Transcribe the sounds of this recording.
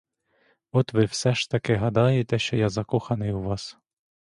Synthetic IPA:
ɔt̪ʋɪwsɛʃt̪ɐkɪɦɐd̪ɑjet̪ɛʃt͡ʃɔjɑzɐkuxɐnɪjuʋɑs

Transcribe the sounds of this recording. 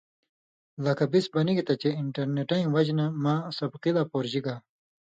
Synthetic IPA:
lɐkɐbisbɐniɡit̪ɐt͡ɕeiɳʈɐɾneʈɐĩwɐd͡ʑnamaːsɐbqilaːpoːɾʑiɡaː

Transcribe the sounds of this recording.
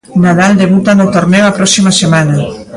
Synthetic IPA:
naðald̪eβut̪anʊt̪oɾnewapɾɔsimɐsemanɐ

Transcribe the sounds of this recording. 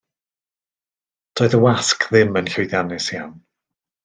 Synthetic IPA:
d̥ɔːɨðəwaskʰðɪmənɬowjðjanɪsjan

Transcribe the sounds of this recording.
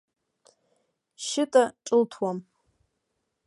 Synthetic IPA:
ʃɪtʼaʈ͡ʂʼɨltʰwam

